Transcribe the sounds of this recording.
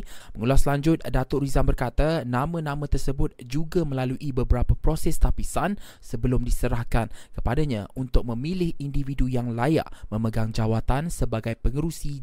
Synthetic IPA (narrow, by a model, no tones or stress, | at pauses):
məŋulaslaɲd͡ʒʊt̪̚dat̪ʊʔrizanbərkat̪anãmə̃nãmə̃t̪ərsəbʊt̪̚d͡ʒuɡamə̃laluʔibəbəɾapapɾosɛst̪apisan | səbəlʊmdisəɾahkankəpadaɲãunt̪ʊk̚mə̃milɪhindividujaŋlaja̰ʔmə̃məɡaŋd͡ʒawat̪ansəbaɡajpəŋəɾusi